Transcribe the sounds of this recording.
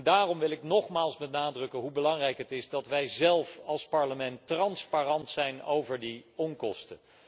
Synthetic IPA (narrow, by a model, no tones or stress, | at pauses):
ndaːrɔmʋɪlˠɪknɔχmaːlˠsbɛnaːdrɵkəɦubəlɑŋrɛjkɦətɪzdɑtʋɛjzɛlˠfɑlˠspɑɹləmɛntrɑnsparɑntsɛjno̰wvəɹdiɔnkɔ̰stə